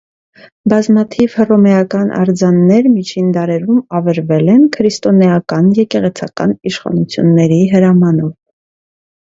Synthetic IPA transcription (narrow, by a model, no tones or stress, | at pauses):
bɑzmɑt̪ʰivhərɔmɛjɑkɑnʔɑ̰ɾd͡zɑnːɛɾmit͡ʃʰind̪ɑɾɛɾumɑvɛɾvɛlɛnkʰəɾist̪ɔnɛɑkɑnjɛkɛʁɛt͡sʰɑkɑ̰niʃχɑ̰nut͡sʰjṵnːɛɾiɦəɾɑmɑnɔv